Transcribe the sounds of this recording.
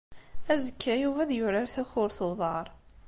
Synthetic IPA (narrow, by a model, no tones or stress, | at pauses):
æzəkːæjuvæðjʊɾɑɾθæçʊɾθoðˤɑɾˤ